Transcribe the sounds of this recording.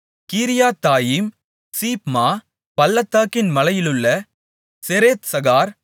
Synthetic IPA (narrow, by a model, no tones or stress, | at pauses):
kiːɾɪjaːt̪ːaːjim | siːpmaː | pɐlːɐt̪ːaːkːɪnmɐlɐjɪlɯɭːɐ | sɛɾeːt̪sɐɣaːɾ